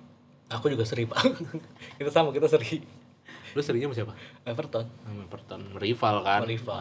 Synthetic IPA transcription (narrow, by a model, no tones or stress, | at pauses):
akud͡ʒuɡasəɾifalkit̪asamak̬it̪asəɾi | dasəɾiɲamasiapamɛfərt̪ɔnmɛfərt̪ɔnməɾifalkamənɾifa